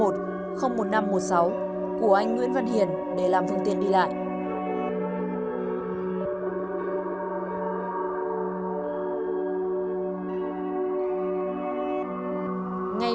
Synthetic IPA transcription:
o˨˩t̚ | xə˧wŋ͡mmo˨˩t̚na˧mːo˨˩t̚sa˨˦w | ku˧˩əʔa˧jŋ̟ŋwi˧ənvə˧nhḭ˧˨ən | ɗe˧˩laː˨˩mfə˧ŋt̪ḭ˧˨ənɗi˧la̰ː˧˨jʔ | ŋa˧

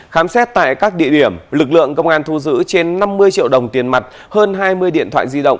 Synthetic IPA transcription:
xaː˨˦msɛ˦˥t̚t̪a̰ː˧˨jkaː˦˥k̚ɗḭ˧˨əɗi˧˩əmlɨ˨˩k̚lɨ̰˧˨əŋkə˧wŋ͡mʔaː˧nt̪ʰu˧zɨ̰˧˥t͡ɕe˧nːa˧mːɨ˧əjt͡ɕḭ˧˨əwɗə˨˩wŋ͡mt̪i˨˩ənma˨˩t̚ | həː˧nɦaː˧jmɨ˧əjɗḭ˧ət̪ʰw̰aː˧˨jzi˧ɗə̰˧˨wŋ͡m

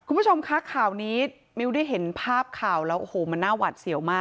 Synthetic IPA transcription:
kʰu˧mʰpu˥˩o˧mkʰa˦˥kʰaː˨˩wniː˦ | mi˦˥wda˥˩jɦe˩˦npʰaː˥˩p̚kʰaː˨˩wlɛː˦˥wʔo˨˧hoː˨˩ma˧nːaː˥˩wa˨˩t̪̚si˨˩˦wmaː˥˩

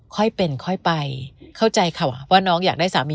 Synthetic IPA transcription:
kʰɔ˥˩jpe˧nkʰɔ˥˩jpa˧jkʰa˥˩wt͡ɕa˧jkʰa˨˩wwaː˥˩nɔː˦˥ŋjaː˨˩k̚daː˥˩jsaː˩˦mːiː˧

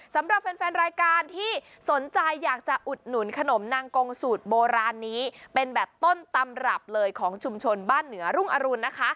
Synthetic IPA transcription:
sa˩˦mɾa˨˩p̚fɛ˧nfɛː˧nɾaː˧jkaː˧nt̪ʰiː˥˩ | so˩˦nt͡ɕa˧jːaː˨˩k̚t͡ɕa˨˩ʔu˨˩t̪̚nu˨˩˦nkʰa˧no˩˦mnaː˧ŋko˧ŋsuː˨˩t̪̚boː˧ɾaː˧nːiː˦˥pe˧nbɛː˨˩p̚t̪o˥˩nt̪a˧mɾa˨˩p̚lɤː˧jkʰɔː˩˦ŋt͡ɕʰu˧mt͡ɕʰo˧nbaː˥˩nːɯ˩˦ɐɾu˥˩ŋʔa˧ɾu˧nːa˦˥kʰa˦˥ʔ

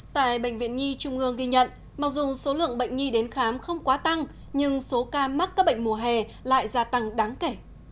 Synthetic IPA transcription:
t̪a̰ː˧˨jɓə̰˧˨jŋ̟vḭ˧˨ənɲi˧t͡ɕʊ˧ŋ͡mʔɨ˧əŋɣi˧ɲə̰˧˨n | maː˨˩k̚zʊ˨˩so˨˦lɨ̰˧˨əŋɓə̰˧˨jŋ̟ɲi˧ɗe˨˦nxaː˨˦mxə˧wŋ͡mkwaː˨˦t̪a˧ŋ | ɲɨ˧ŋso˨˦kaː˧ma˦˥t̚kaː˦˥k̚ɓə̰˧˨jŋ̟mu˧˩əɦɛ˨˩ | la̰ː˧˨jzaː˧t̪a˧ŋɗaː˨˦ŋke˧˩

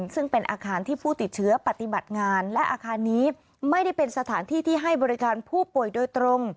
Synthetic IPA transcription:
nsɯ˥˩ŋpe˧nʔaː˧kʰaː˧nt̪ʰiː˥˩pʰuː˥˩t̪i˨˩t̪̚t͡ɕʰɯ˦˥ɐpa˨˩t̪i˨˧ba˨˩t̪̚ŋaː˧nlɛ˦˥ʔaː˧kʰaː˧nːiː˦˥ | ma˥˩jda˥˩jpe˧nsa˧t̪ʰaː˩˦nt̪ʰiː˥˩t̪ʰiː˥˩ɦa˥˩jbɔː˧ɾi˦˥kaː˧npʰuː˥˩pu˨˩əjdoː˧jt̪ɾo˧ŋ

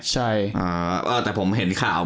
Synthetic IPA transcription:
t͡ɕʰa˥˩jʔəː˧˩ʔɤː˧˩t̪ɛː˨˩pʰo˩˦mɦe˨˦nkʰaː˨˦w

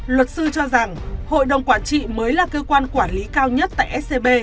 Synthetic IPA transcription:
lwə˨˩t̚sɨ˧t͡ɕɔ˧za˨˩ŋho̰˧˨jɗə˨˩wŋ͡mkwaː˧˩nt͡ɕḭ˧˨məː˨˦jlaː˨˩kəː˧kwaː˧nkwaː˧˩nli˨˦kaː˧wɲə˦˥t̚t̪a̰ː˧˨ʔɛ˦˥se˧ɓe˧

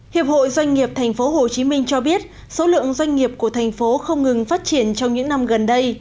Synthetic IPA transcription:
hi˨˩əp̚ho̰˧˨jzwa˧jŋ̟ŋi˨˩əp̚t̪ʰɛ˨˩ŋ̟fo˨˦ɦo˨˩t͡ɕi˨˦mï˧ŋ̟t͡ɕɔ˧ɓi˦˥ət̚ | so˨˦lɨ̰˧˨əŋzwa˧ŋ̟ːi˨˩əp̚ku˧˩ət̪ʰɛ˨˩jŋ̟fo˨˦xə˧wŋ͡mŋɨ˨˩ŋfaː˦˥t̚t͡ɕi˧˩ənt͡ɕɔ˧wŋ͡mɲɨ̰˧˥ŋna˧mɣə˨˩nɗə˧j

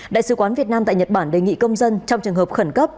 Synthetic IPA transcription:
ɗa̰ː˧˨jsɨ˨˦kwaː˨˦nvi˨˩ət̚naː˧mt̪a̰ː˧˨jɲə˨˩t̚ɓaː˧˩nɗe˨˩ŋḭ˧˨kə˧wŋ͡mzə˧nt͡ɕɔ˧wŋ͡mt͡ɕɨ˨˩əŋhə˨˩p̚xə˧˩nkə˦˥p̚

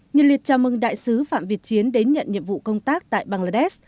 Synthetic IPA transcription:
ɲɨ˨˩li˨˩ət̚t͡ɕaː˨˧˩mɨ˨˩ŋɗa̰ː˧˨jsɨ˨˦fa̰ː˧˨mvi˨˩ət̚t͡ɕi˨˦ənɗe˨˦nɲə̰˧˨nɲḭ˧˨əmvṵ˧˨kə˧wŋ͡mt̪aː˦˥k̚t̪a̰ː˧˨jɓaː˧ŋlaː˧ɗɛ˦˥s

